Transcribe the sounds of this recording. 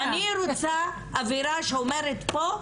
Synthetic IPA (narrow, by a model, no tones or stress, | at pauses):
aniɾot͡sa | aviɾaʃeomeɾet̪po